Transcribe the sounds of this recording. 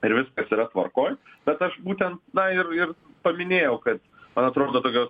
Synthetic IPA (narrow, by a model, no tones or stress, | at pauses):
ɪɾʋʲɪskɐsiɾɐt̪ʋɐ̰rkoːjb̥ʲɛt̪ɐʃbuːt̪ʲɛnt̪nɐɪrɪr | pɐmʲɪnʲeːjɛʊkɐt̪ | mɐnɐt̪ɾoːd̪oːt̪oːkʲoː